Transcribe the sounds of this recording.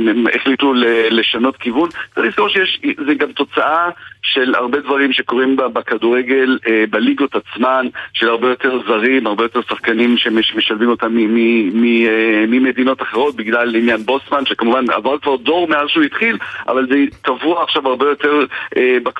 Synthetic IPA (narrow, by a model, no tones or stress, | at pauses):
eḛχlit̪ulele̞ʃano̞tkivunt͡saʁiskamoʃejɛʃzeɡamt̪o̞t͡saʔaʃe̞la̰ʁbe̞dvaʁimʃe̞ko̞ʁimbabakaduʁeɡe̞lebaliɡot̪at͡smanʃe̞laʁbe̞jo̞teʁzaʁimaʁbe̞jo̞t̪e̞ʁsaχkanimʃemeʃmeʃalmimo̞t̪amːiimimime̞d̪ino̞taχeʁo̞t̪̚biɡlalinjanbo̞smanʃekamuvana̰vaʁkvaʁdo̞ʁmeazʃeuit̪χilʔa̰valzetavuaːχʃavhaʁbe̞jo̞te̞ʁʔebak